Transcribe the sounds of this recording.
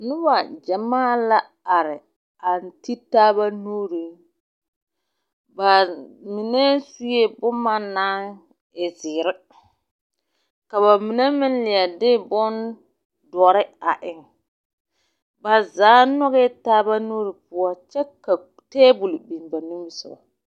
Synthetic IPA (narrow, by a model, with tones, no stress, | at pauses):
nʊ˦ba˨d͡ʒɛ˨maː˦˨la˦ | a˨ɾɪ˨ | a˨n˨ti˦taː˦ba˦nuː˦ɾi˨ | ba˨mi˨nɛ˦su˦je˦bʊ˦ma˦naː˦ | ɪ˨zɪː˨ɾɪ˦ | ka˨βa˨mɪ˨nɛ˦mɪ˦n˦lɪ˨a˨dɪ˦bʊ˦n | dɔ˨˦ɾɪ˦a˨ʔɪ˨ŋ | ba˨zaː˨˦nɔ˦ɣɛ˦taː˦ba˦nuː˦ɾi˨pʊ˦a˦t͡ʃɛ˦ka˨ | teː˦bu˨lɪ˨bi˨m˨ba˨nu˦bsʊ˨ba̰˨